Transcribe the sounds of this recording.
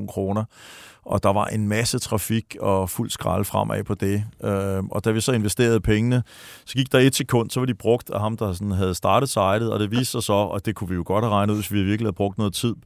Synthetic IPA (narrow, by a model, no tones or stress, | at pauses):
nkʰʁo̝ːnɐʔɒ̽d̥ɑ̈ʋɑ̈ʔe̝nmæsət͡sʰʁɑ̈fiɡ̥ɒ̽ful̰sɡ̥ʁɑ̰̈lfʁɑm̰ʔɛ̰pʰɒ̽d̥e̝ʔøɒ̽d̥æʋisɒ̽e̝nʋesd̥e̝̰ːɐðˠpʰeŋənə | sɒ̽ɡ̥iɡ̥̚d̥ɑ̈e̝d̥sekʰɔ̽n̰d̥sɒ̽ʋɑ̈d̥ib̥ʁɔ̽ɡ̥̚d̥æɦɑ̈md̥ɑ̈sɒnɦæð̞̩ˠsd̥ɑ̈ːɾ̥ð̩ˠsɑ̈ɪɾ̥ð̩ˠɒ̽ɾ̥e̝ʋiːsd̥sɑɪsɒ̽ɒd̥e̝kʰuʋijo̝ɡ̥ɒ̽d̥̚hæʁɑ̈ɪnəuð̰ˠesʋiæʋiɐɡ̥lihæðˠb̥ʁɔ̽ɡ̥d̥nɔ̽ːð̩ˠt͡sʰið̰ˠ